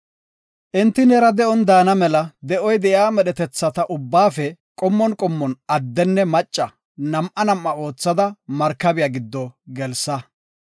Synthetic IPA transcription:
ʔɪnt̪ːɪnɛɾɐd̪ɛʔɔnd̪aːnɐmɛlɐd̪ɛʔɔjd̪ɛʔjaːmɛɗɛt̪ɛt͡sːɐt̪ɐʔʊbːaːfɛkʼɔmːɔnkʼɔmːɔnɐd̪ːɛnːɛmɐt͡ʃʼːɐ | nɐmʔɐnɐmːɐo̞ːt͡sːɐd̪ɐmɐɾkːɐbɪjaɡɪd̪ːɔɡɛlsɐ

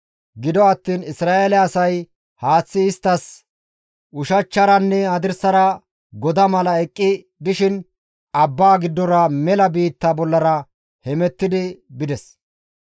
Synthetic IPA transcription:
ɡɪd̪ɔɐt̪ːiːnɪsɾaːʔelɛɐsɐj | haːt͡sːɪːst̪ːɐs | ʔʊʃɐt͡ʃːɐɾɐnːɛɐd̪ɪɾsɐɾɐ | ɡɔd̪ɐmɐlɐɛkʼːɪ | d̪ɪʃɪn | ɐbːaːɡɪd̪ːɔɾɐmɛlɐbiːt̪ːɐbɔlːɐɾɐ | hɛmɛt̪ːɪd̪ɪbɪd̪ɛs

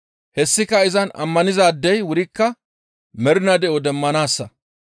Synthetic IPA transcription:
hɛsːɪkːɐɪzɐnɐ̰mːɐnɪzaːd̪ːɛjwʊɾɪkːɐ | mɛɾɪnɐd̪ɛʔɔd̪ɛmːɐnaːsːɐ

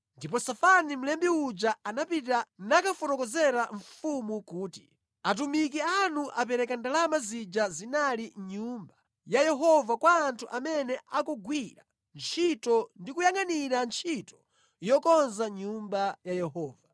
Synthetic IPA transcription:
ndipɔsafanim̩lɛmbiud͡ʒaanapitanakafɔnɔkɔzɛɾaɱfumukuːti̥̰ | at̬umik̬ianuʔapɛɾɛkandalamazid͡ʒazinaliɲumba | jajɛɦɔvakwaːntʰuʔamɛnɛʔakɔɡwiɾa̰ | nt͡ʃʰitɔndikujaŋaniɾant͡ʃʰitɔ̥ | jɔkɔnzaɲumbajajɛɦɔːva

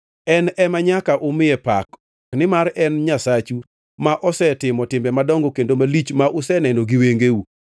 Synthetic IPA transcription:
ɛnɛmaɲakaʔomɪɛpak | nɪmaɾɛnɲasat͡ʃu | maʔɔsɛtɪmɔtɪmbɛmadɔŋɡokendomalit͡ʃmaʔʊsɛnɛnoɡiweŋɡeu

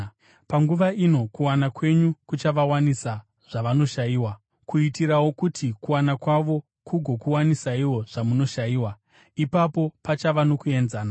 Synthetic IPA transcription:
paŋɡuʋaino̞kuwanakwe̞ɲukut͡ʃaʋawanisa | ʐ̥aʋano̞ʃajiːwa | kʰuitiɾawokutikuwanakwaʋo̞ | kʰuɡʱo̞kuwanisaiwo̞ʐ̥amuno̞ʃajiːwa | ipapo̞pat͡ʃaʋano̞kue̞nzaːna

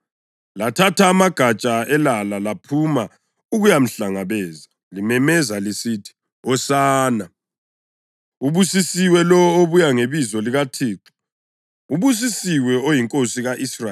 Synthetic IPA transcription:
latʰatʰaːmaɡ̥ʱat͡ʃʼaɛlalalapʰuma | uɣujam̩ɬaŋaβɛːza | limɛmɛzalisitʰi̥ | ɔsaːna | uβusisiwɛlɔoβujaŋeβizɔliɣatʰiːǁʰu̥ | uβus̬isiwɛojiŋkʼosiɣaʔisra

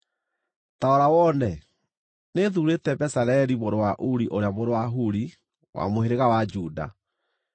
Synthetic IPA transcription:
taɔɾawɔnɛ | neðuɾetɛbɛsaɾɛɾimoɾowaʔuɾiʔoɾeamoɾowaɦuɾi | wʔa̰moheɾeɣawad͡ʒuːda̰

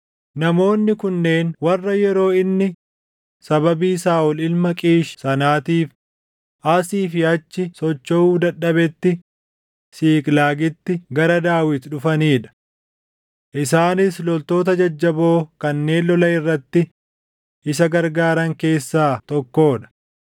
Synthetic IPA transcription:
nɐmo̞ːnːɪkʊnːe̞ːnwɐrːɐjɛɾo̞ːɪnːɪ | sɐbɐbiːsaːʔɔlɪlmɐkʼiːʃsɐnaːt̪iːf | ʔɐsiːfɪɐt͡ʃːɪsɔt͡ʃːɔuːd̪ɐɗːɐbɛt̪ːɪ | siːkʼlaːɡɪt̪ːɪɡɐɾɐd̪aːwɪt̪ᶑʊfɐniːᶑɐ̥ | ʔɪsaːnɪslɔlt̪o̞ːt̪ɐd͡ʒɐd͡ʒːɐbo̞ːkɐnːe̞ːnlɔlɐɪrːɐt̪ːɪ | ʔɪsɐɡɐɾɡaːɾɐŋke̞ːsːaːt̪ɔkːo̞ːᶑɐ̥

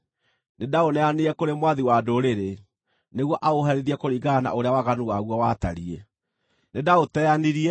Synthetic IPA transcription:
nedaonɛaneɛkoɾemwaðiwadoɾeɾe | neɣwɔʔaoɦɛɾeðiɛkoɾiɡana̰ʔoɾeawaɣanuwaɣwɔwata̰ɾie | nedaotɛaniɾiɛ

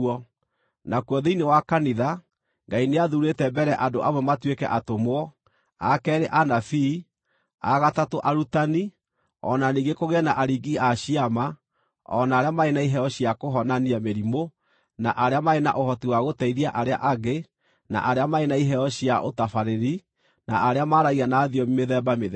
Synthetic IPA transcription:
ɔ | nakwɔðeinewakaniða | ŋɡaineaðuɾetɛbɛɾɛʔadoʔamwɛmatwekɛ̰ʔatomoɔ | a̰kɛːɾeʔanafi | aɣatatoʔaɾutani | ɔ̰naniɡekoɣeɛnaʔaɾiɡiaɕiama | ɔ̰naːɾeamaenaiɦɛɔɕiakoɦɔnaniameɾimo | naʔaɾeamaena̰ʔohɔtiwaɣotɛiɾiaʔaɾea̰ʔaɣe | na̰ʔaɾeamaenaiɦɛɔɕiaʔo̰tafaɾeɾi | na̰ʔaɾeamaɾaɣiɣanaːðiɔmimeðɛːbameðɛ

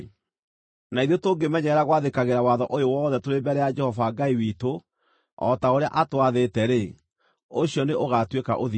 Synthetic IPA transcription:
naiðiotoɡemɛɲɛɾaɣwaðekaɣeɾawaðɔʔojowɔðɛtoɾembɛɾɛjad͡ʒɛhɔvaːɡaiwito | ɔ̰taoɾea̰ʔatowaðetɛɾe | oɕjɔneʔoɣatweka̰ʔoði

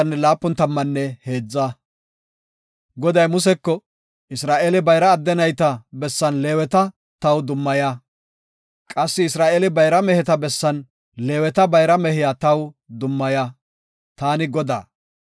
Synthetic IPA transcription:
ɐnːɛlaːpːʊnt̪ɐmːɐnːɛhe̞ːd͡zːɐ | ɡɔd̪ɐjmʊs̬ɛkːɔ | ɪsɾaːʔelɪbɐjɾɐːd̪ːɛnɐjt̪ɐbɛsːɐnleːwɛt̪ɐ | t̪ɐwd̪ʊmːɐja | kʼɐsːɪɪsɾaːʔelɪbɐjɾɐmɛhɛt̪ɐbɛsːɐn | le̞ːwɛt̪ɐbɐjɾɐmɛhɪjaːt̪ɐw | d̪ʊmːɐja | t̪aːnɪɡɔd̪a̰ː

